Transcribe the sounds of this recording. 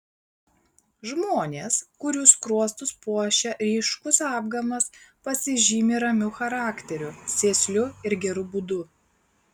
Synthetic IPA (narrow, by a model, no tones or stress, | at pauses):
ʒmoːnʲeːskʊɾʲuːskɾuɔst̪ʊspuɔʃʲɛɾʲiːʃkʊsɑːb̚ɡɐmɐspɐsʲɪʒʲiːmʲeɾɐmʲʊxɐɾɑːkʲt̪ʲɛɾʲʊsʲeːsʲlʲʊɪɾɡʲɛɾʊbʊd̪ʊ